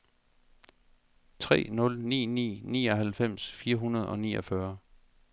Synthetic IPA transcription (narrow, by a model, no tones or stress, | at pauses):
t͡sʰʁɛ̰ːnɔ̽lnḭːnḭːnḭːɒ̽ɦælfem̰sfiːɐɦunɐð̞ˠɒ̽nḭːɒ̽fɶɐ